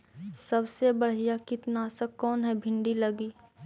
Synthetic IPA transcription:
sɐbsebɐɽ̤ijakɪt̪naːsəkːɔːnɦɛbʱɪ̃ɳɖilɐɡiː

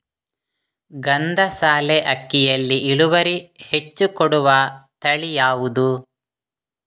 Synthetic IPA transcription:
ɡɐnd̪ɐsaːleʔɐkːijɐlːiʔiɭuʋɐɾihe̞t͡ʃːukɔɽuʋɐt̪ɐɭijaːʋud̪u

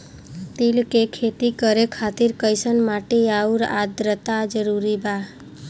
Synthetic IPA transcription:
t̪ilkekʰet̪ikəɾekʰat̪iɾkəjsənmaʈeauɾa̰d̪ɾət̪ad͡ʒəɾuɾiba

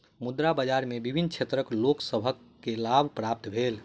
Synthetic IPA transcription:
mud̪ɾabəd͡ʒaɾmebibʱinkt͡ʃʰet̪ɾəkloksəbʱəkːelabʱpɾap̚t̪bʱel

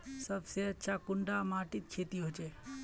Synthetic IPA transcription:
səbseətːʃʰakʊɳɖamaːʈit̪̚t͡ʃʰeːt̪iɦot͡ʃʰe

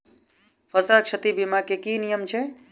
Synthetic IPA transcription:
pʰəsakt͡ʃʰət̪ibimakekinijəmt͡ʃʰɛ

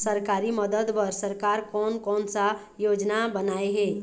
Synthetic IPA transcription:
səɾkaɾiməd̪əd̪pəɾsəɾkaɾkɔːnkɔːnsa | jod͡ʒnabənaeɦe

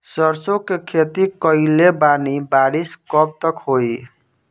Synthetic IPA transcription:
sʌɾsokekʰet̪ikʌjlebanibaɾiskʌb̚t̪ʌkɦoj

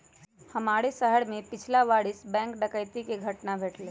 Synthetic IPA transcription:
həmaːɽesəɦəɽmẽpɪt͡ʃʰlaʋaːɽɪsbɛ̃ːŋkɖəkəɪt̪ikeɡʱəʈnabʱeːʈleː

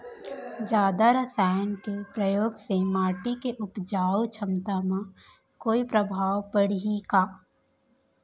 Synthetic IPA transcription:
d͡ʒjaːd̪aɾəsaːəɳʈpɾəjoːɡsemaːʈikeʔʊpd͡ʒaːwt͡ʃʰəmt̪amã | koːipɾəbʱaːʋpəɽ̤ikaː

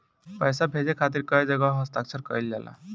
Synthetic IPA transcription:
pəjsabʱed͡ʒekʰat̪̬iɾkəed͡ʒəɡaɦəst̪aksʰəɾkəild͡ʒa̰lʔa̰

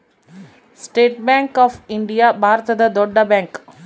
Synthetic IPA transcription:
sʈeːʈ̚bɛ̃ːŋkɔːfɪ̃ɳɖijabʱaːɾt̪əd̪əd̪oːɖabɛ̃ːŋk

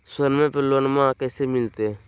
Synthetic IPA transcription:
səɾmẽpələnmãkɛːsemɪlt̪e

